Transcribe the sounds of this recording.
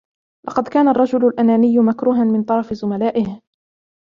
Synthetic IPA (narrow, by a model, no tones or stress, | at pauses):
lʔɑqɑd̪kaːnarˤːɑd͡ʒʊlalʔanaːnɪjːʊmakɾuːɦanmɪnt̪ˤɑɾˤɑfɪzʊmalaːʔɪh